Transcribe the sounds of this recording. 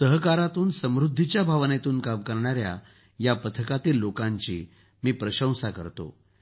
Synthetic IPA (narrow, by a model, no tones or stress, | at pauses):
səɦkaɾat̪uːnsəmɾud̪ʱːit͡ɕjabʱaʋnet̪uːnkamkəɾɳaɾja̰ | japət̪ʰəkat̪iːlːokãɲt͡ɕḭː | miːpɾəɕə̃w̃sakə̰ɾt̪o̰